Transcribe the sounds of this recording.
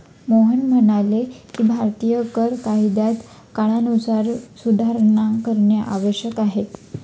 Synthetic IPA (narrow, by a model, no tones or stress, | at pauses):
moɦənm̤əɳalekiːbʱaɾt̪ijəkəɾkajd̪at̪ | kaɽ̃anut͡saɾsud̪ʱaɾɳakəɾɳjaʔaʋəɕjəkaɦet̪